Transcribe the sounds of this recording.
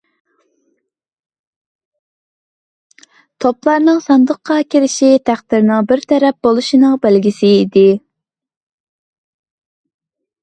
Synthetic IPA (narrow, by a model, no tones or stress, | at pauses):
t̪ʰoplˠɑɾnɨŋsɑnd̪əqʰːɑkʲeɾɪʃit̪ʰæχd̪̥ɪɾnɪŋbɪɾt̪ʰɛɾɛp̚bolˠuʃinɨŋbælɡʲisɪːd̪ɪ